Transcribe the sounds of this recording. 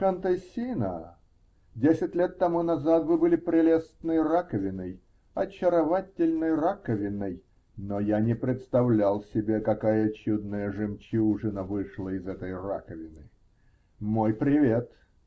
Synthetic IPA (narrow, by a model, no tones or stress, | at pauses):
kənt̪ɐsʲinə̰ | dʲesʲɪtʲlʲet̪ːɐmunɐzat̪vɨbɨlʲɪpɾʲɪlʲest̪nɨjrakəvʲɪnəj | ɐt͡ɕːɪɾɐvatʲɪlʲnɨjrakəvʲɪnːəj | nojanʲɪpɾʲɪt̪st̪ɐvlʲalˠsʲɪbʲekɐkajət͡ɕud̪nəjəʐɨmt͡ɕuʐɨnəvɨʂlˠəɪzɛt̪əjra̰kəvʲɪnɨ | mo̞jpɾʲɪvʲe̞t̪